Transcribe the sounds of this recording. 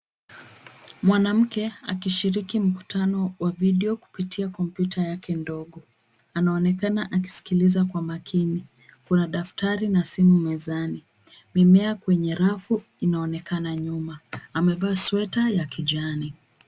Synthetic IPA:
mwanam̩kɛakiʃiɾikim̩ku̥tanɔwaviɗɛɔku̥pitʰiakɔmpjutajakɛndɔɠɔ | anaɔnɛkanaʔak̬i̥si̥kilizakwamakʰini | kunaɗaftaɾinasimumɛzani | mɛmɛakwɛɲɛɾafu | inaɔnɛkanaɲumaːmɛvaːswɛtajakiʄani

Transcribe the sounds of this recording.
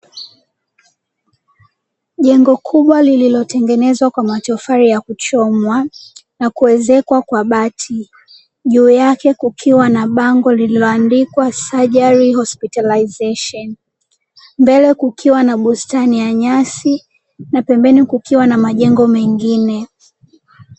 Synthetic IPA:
ʄɛŋɡɔkʰuɓwalililɔtɛŋɡɛnɛzwakwamatɔfaɾijakut͡ʃɔmwanakuwɛzɛkwakwaɓatʰi | ʄuːjakɛkukʰiwanaɓaŋɡɔlililɔandikwasaʄaɾihɔspitalaizɛʃɔn | mbɛlɛkukʰiwanaɓustanijaɲasi | napɛmbɛnikukiwanamaʄɛŋɡɔmɛŋɡinɛ

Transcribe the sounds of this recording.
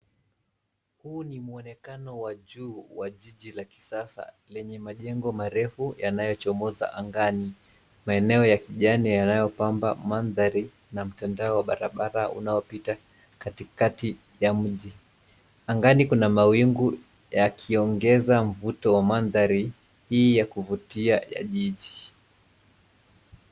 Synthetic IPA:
huːnimuɔnɛkanɔwaʄuːwaʄiʄilaki̥sasa̰ | lɛɲɛmaʄɛŋɡɔmaɾɛfujanajɔt͡ʃɔmɔza̰ʔaŋɡani | maɛnɛɔjakiʄanijanajɔpambamanðaɾi | nam̩tandaɔwaɓaɾaɓaɾaṵnaɔpita | katikati | jam̩ʄi | aŋɡanikunamawiŋɡu | jakʰiɔŋɡɛzam̩vutɔwamanðaɾi | hiːjakuvutiaja̰ʄiʄi

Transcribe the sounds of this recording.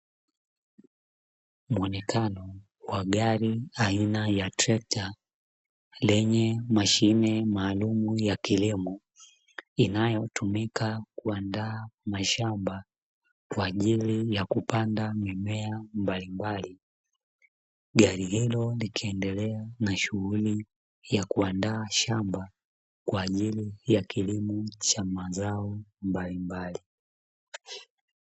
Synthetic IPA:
muɔnɛkʰanɔ | waɠaɾiainajatɾɛk̚ta | lɛɲɛmaʃinɛmaːlumujakilimɔ | inajɔtumikakuandaːmaʃamba | kwaːʄilijakupandamɛmɛambalimbali | ɡaɾihilɔlikʰiɛndɛlɛanaʃuɣuli | jakuandaːʃamba | kwaːʄilijakʰilimɔt͡ʃamazaɔmbalimbali

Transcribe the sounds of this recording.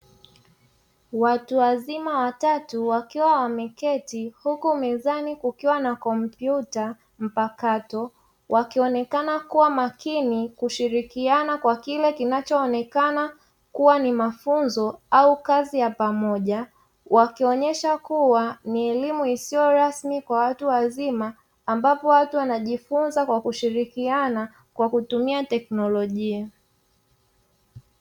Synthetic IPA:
watuwazimawatatuwakiwawamɛkɛtihukumɛzanikukiwanakɔm̩pjuta | m̩pakatɔ | wʔakiɔnɛkanakuwamakinikuʃiɾikianakwakilɛkinat͡ʃɔːnɛkana | kuwanimafunzɔaukazijapamɔʄa | wakiɔɲɛʃakuwaniɛlimuisiɔɾasmikwawatuwazimaː | mbapɔwatuwanaʄifunzakwakuʃiɾikiana | kwakutumiatɛknɔlɔʄia

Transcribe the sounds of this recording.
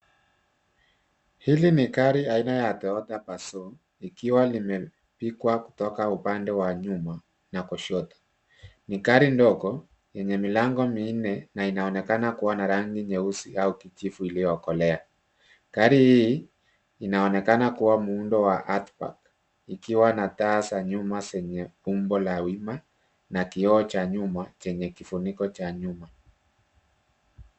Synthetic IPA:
hilinikaɾiainajatɛɔtapasɔ | ikiwalimɛ | pikwakutɔkaupandɛwaɲuma | nakɔʃɔtḁ | nikaɾindɔkɔ | jɛɲɛmilaŋɡɔminɛnainaɔnɛkanakuwanaɾaŋɡiɲɛusiaukit͡ʃifuilijɔkɔlɛa | kaɾihiː | inaɔnɛkanakuwamuundɔwaʔatpa̰k | ikiwanataːsaɲumasɛɲɛumbɔlawima | nakiɔːt͡ʃaɲumat͡ʃɛɲɛkifunikɔt͡ʃaɲuma

